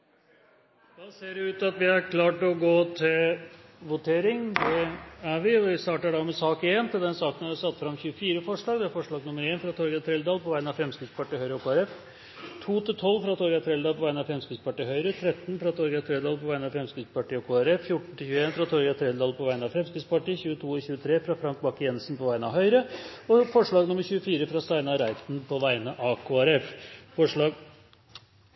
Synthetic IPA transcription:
j̪ɑːseːɖɛʉːt̪ɑt̪ʋɪæɾkʰlɑːʈɔɡoːt̪ʰɪlʋʊt̪ʰeːɾɪŋd̪ɛæɾʋɪɔʋɪst̪ɑːʈəɖɑmɛsɑːkɪent̪ʰɪld̪ɛnsɑːkənæɾʋæsɑt̪ːfɾɑmːçʉːəfiːɾəfɔʂɭɑːɡd̪ɛæɾfɔʂɭɑːɡnʊmːəɾeːnfɾɑt̪ʰɔɾɡɑt̪ʰɾɛld̪ɑːlpɔʋæɪənɑʋfɾɛmskɾɪt̪spɑʈiːhœʏɾəɔkʰoːæɾɛf | t̪ʰuːt̪ʰɪt̪ʰɔlːfɾɑt̪ʰɔɾɡɑt̪ʰɾɛld̪ɑːlpʰɔʋæɪnɑfɾɛmskɾɪt̪spɑʈiːɦœʏɾət̪ʰɾɛt̪ːnfɾɑt̪ʰɔɾɡɑt̪ʰɾɛd̪ɑːlpʰɔʋæɪnɑʋfɾɛmskɾɪt̪spɑʈiːɔkʰoːæɾɛffjʊʈɳ̩t̪ʰɪlçʉːeːnfɾɑt̪ʰɔɾɡɑt̪ʰɾɛld̪ɑːlpʰɔʋæɪnɑʋfɾɛmskɾɪt̪spɑʈiːçʉːət̪ʰuːɪçʉːət̪ʰɾeːfɾɑfɾɑŋk̚bɑkːjɛnsnpɔʋæɪnəɑɦœʏɾəɔfɔʂɭɑːɡnʊmːəɾçʉːəfiːɾəfɾɑst̪æɪnɑɾæɪt̪n̩pʰɔʋæɪnəʔɑkʰoːæɾɛffɔʂɭɑːɡ

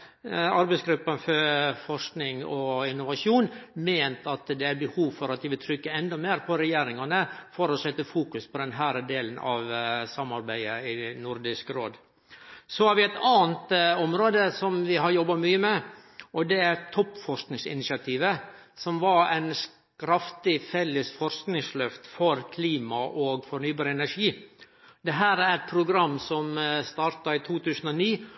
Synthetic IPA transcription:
ɑɾbɛɪsɡɾʉpːənfɔɾfɔʂknɪŋɔɪnːʊʋɑsuːnmeːnt̪ɑt̪d̪ɛæɾbəhuːʋfɔɾɑt̪̚d̪ɪʋɪlt̪ʰɾʏkːəɛnd̪ɔmeːɾpʰɔɾɛjeːɾɪŋɑnəfɔɾɔsɛt̪ːəfuːkʉspʰɔd̪ɛnɦæːɾəd̪eːlənʔɑʋsɑmːɑɾbæɪəɪnʊɾd̪ɪskɾoːd̪ | sɔhɑɾʋɪɛt̪ɑːənt̪ɔmɾoːd̪əsɔmʋɪɦɑɾjɔbːɑmyːəmɛ | ʔɔd̪ɛæɾt̪ʰɔpːfɔɾsknɪŋsɪ̰nɪsɪɑt̪ʰiːʋə | sɔmʋɑɾæɪns | kɾɑft̪ɪfɛlːəsfɔɾsknɪŋslœft̪fɔɾkʰliːmɑʔoːɡfɔɳyːbɑːɾəɛnæɾʂiː | d̪ɛɦæːɾæɾæt̪̚pʰɾʊɡɾɑmːsɔmst̪ɑːɾt̪ɑiːt̪ʰuːt̪ʰʉːsn̩ɔniː

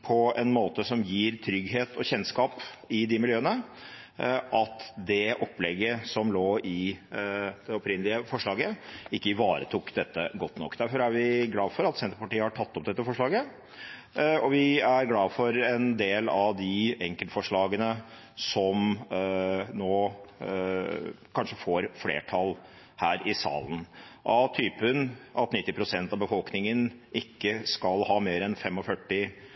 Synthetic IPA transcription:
pʰɔɛnmoːt̪əsɔmjiːɾt̪ʰɾʏɡɦeːt̪ʰɔçɛnskɑːpɪd̪ɪmɪljøːənə | ʔɑt̪d̪ɛʔɔpːlɛɡːəsɔmloːɪ | d̪̥ɛɔpɾɪnːəlɪəfɔʂɭɑːɡəɪkːəɪʋɑːɾə̰t̪ʰuːkːd̪ɛt̪ːə̰ɡɔt̪ːnɔ̰kːd̪æɾfɔɾæɾʋɪɡlɑːfɔɾɑt̪sɛnt̪ɾəpɑʈiːəhɑʈʰɑt̪ːɔp̚d̪ɛt̪ːəfɔʂɭɑːɡə | ɔʋɪæɾɡlɑːʋfɔɾɛnd̪eːlɑʋd̪ɪɛŋkəlt̪fɔʂɭɑːɡənə | sɔm | noː | kʰɑnʂəfoːɾflḛːʈʰɑl | hæːɾɪsɑ̰ːlən̩ʔɑt̪ʰyːpənʔɑt̪nɪt̪ːɪpʰɾʊsɛnt̪ɑʋbəfɔlknɪŋənʔɪkːəskɑlhɑːmeːɾɛnfɛmːɔfœʈːɪ

